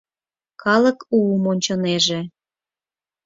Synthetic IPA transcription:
kɑlə̆kumonʲt͡ɕoneʒe

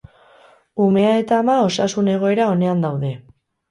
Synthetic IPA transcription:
ume̞ae̞t̪aːmao̞sasune̞ɣ̞o̞e̞ɾao̞ne̞and̪awðe̞

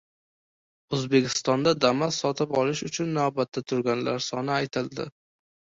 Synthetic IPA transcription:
ɵzbe̞kʲʰɪ̥st̪ɒnd̪ad̪amassɒt̪ʰɪpɒlɪʃʊt͡ʃʰʊnːavbat̪ʰːat̪ʰʊɾɡʲanlaɾsɒnɪajt̪ʰɪld̪ɪ̰

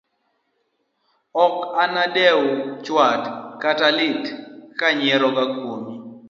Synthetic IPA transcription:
ɔkanadɛwt͡ʃwatkatalɪtkaɲɪɛɾɔɡakwomi

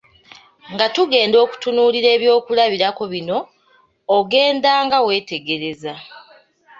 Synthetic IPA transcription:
ŋɡatuɡe̞ːndo̞ːku̥tunuːliɾe̞ːβjo̞ːkulaβiɾako̞βino̞ː | ɡe̞ːndaːŋɡawe̞ːte̞ɡe̞ɾe̞za

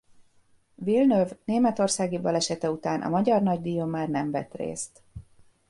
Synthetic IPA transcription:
vilnøvneːmɛt̪o̞rsaːɡibɒlɛʃɛt̪ɛut̪aːnʔɒ̰mɒɟɒrnɒɟd̪ijomaːrnɛmvɛ̰t̪rḛːst̪

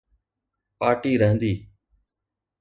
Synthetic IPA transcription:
paːʈiːɾəɦə̃nd̪iː

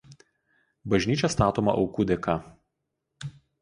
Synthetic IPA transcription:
bɐʒʲnʲiːt͡ʃʲɛst̪ɑːt̪oːmɐ̰ʔɒʊkuːd̪ʲɛkɐ

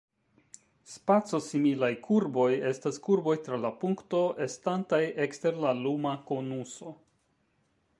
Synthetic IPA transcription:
spat͡so̞similajkʰuɾbo̞je̞staskuɾbo̞jtɾalapuŋkto̞ʔe̞stantaje̞kste̞ɾlalumako̞nuso̞

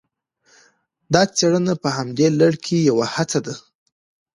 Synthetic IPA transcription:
d̪ɑt͡seɽənapəhamd̪elaɽkʰejawahat͡sad̪a

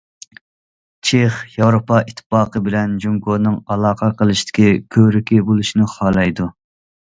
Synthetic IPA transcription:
t͡ʃʰeχjɑwɾopɑʔit̪ʰːɨ̥pɑːqəbɪlɛnd͡ʒuŋɡonɨŋɑlˠɑːqʰɑqʰəlˠɨʃt̪ɪ̥kʲikʲʰøɾɪkʲibolˠuʃinɨχɑlˠɑjd̪u

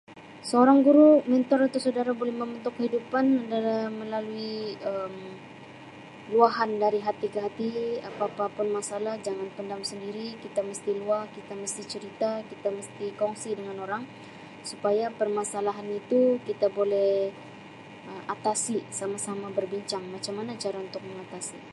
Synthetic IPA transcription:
səoɾaŋɡuɾumɛnt̪ɔɾat̪usadaɾabolɛhməmbənt̪ʊkːəɦidupanadalahməlaluiəm | luaɦandaɾiɦat̪ikəɦat̪iapapapʊnmasalahd͡ʒaŋanpəndamsəndiɾikit̪aməst̪iluahkit̪aməst̪it͡ʃəɾit̪akit̪aməst̪ikɔŋsidəŋanoɾaŋ | supajapərmasalaɦanit̪ukit̪abolɛh | əat̪asisamasamabərbiɲt͡ʃaŋmat͡ʃamːanat͡ʃaɾaunt̪ʊk̚məŋat̪asi

